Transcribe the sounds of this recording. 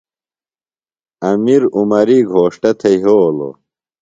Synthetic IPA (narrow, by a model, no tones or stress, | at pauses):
ɐmiɾumɐɾiːɡʱoːʂʈɐt̪ʰɐjɦoːlo̰